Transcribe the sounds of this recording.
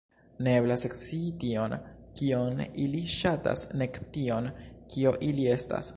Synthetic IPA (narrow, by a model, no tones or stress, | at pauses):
neeblaseksitio̞nkioniliʃata̰sne̞ktio̞nkʰio̞ʔilie̞sta̰s